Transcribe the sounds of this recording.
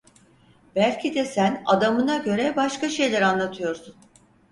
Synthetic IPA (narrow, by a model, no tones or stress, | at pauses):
bælʲcʰid̪ɛsæna̰d̪amɯnaɟø̞ɾɛbaʃkaʃe̞jlʲæɾanlˠat̪ʰɯjo̞ɾsun